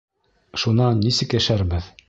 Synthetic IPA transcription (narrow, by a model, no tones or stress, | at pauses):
ʃunɑnːisɘkjæʃæɾbɘð